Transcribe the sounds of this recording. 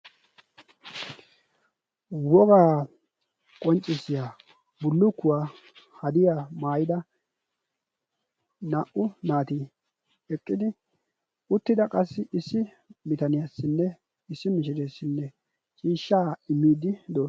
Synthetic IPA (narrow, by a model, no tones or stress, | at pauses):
wɔɡaː | kʼɔnt͡ʃʼɪsːɪjaː | bʊlːʊkːʊwaː | hɐd̪ɪjamaːjɪd̪ɐ | naʔʊnaːt̪iː | ɛkʼːɪd̪ɪ | ʊt̪ːɪd̪ɐkʼɐsːɪʔɪsːɪ | mɪt̪ɐnɪjasːɪnːɛ | ɪsːɪmɪʃ̬ɪd̪esːɪnːɛ | t͡ʃʼiːʃːaːɪmːiːd̪ɪd̪oːs